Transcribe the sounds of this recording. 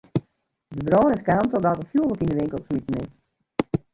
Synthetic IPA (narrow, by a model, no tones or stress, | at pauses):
dəbrɔːnɪfkaantɔdatəfjuəlˠəkindəʋɪŋkəlˠsmitnɪ